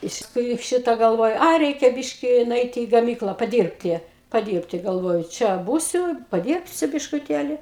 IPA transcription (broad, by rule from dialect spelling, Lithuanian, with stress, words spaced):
ɪʃ tʲɪkˈruːjuː ˈʃʲɪtɐ ɡɐlˠˈʋoːjʊ ˈɐɪ ˈrʲɛɪkʲɛ ˈbʲɪʃʲkʲɪ nʊˈɛɪtʲɪ iː ɡɐˈmʲiːklˠɐ pɐˈdʲiːrʲpʲtʲɪ pɐˈdʲiːrʲpʲtʲɪ ɡɐlˠˈʋoːjʊ ˈt͡ʃʲɛ ˈbuːsʲʊ pɐˈdʲiːrʲpʲsʲʊ bʲɪʃkʊˈtʲeːlʲɪ